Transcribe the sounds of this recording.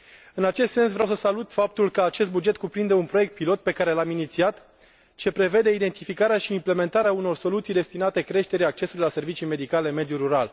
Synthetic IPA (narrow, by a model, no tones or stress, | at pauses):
ɨnat͡ʃe̞st̪se̞ns̬vɾeawsəsalut̪fap̚t̪ulkəat͡ʃe̞st̪bud͡ʒe̞t̪̚kupɾind̪e̞unpɾo̞je̞k̚t̪̚pilo̞t̪̚pe̞kaɾe̞laminit̪siat̪ | t͡ʃe̞pɾe̞ve̞d̪e̞id̪e̞nt̪ifikaɾeaʃiːmple̞me̞nt̪aɾeauno̞rso̞lut̪sijd̪e̞st̪inat̪e̞kɾe̞ʃt̪e̞ɾʲiak̚t͡ʃe̞sulilase̞rvit͡ʃijme̞d̪ikale̞me̞d̪juɾuɾal